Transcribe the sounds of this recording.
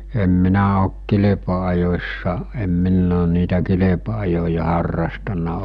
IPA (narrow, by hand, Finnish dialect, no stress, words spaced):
em minæ ok kilepɑɑjosʲsɑ em minː oːn niːtæ kilepɑɑjojɑ hɑrːɑstɑnˑɑ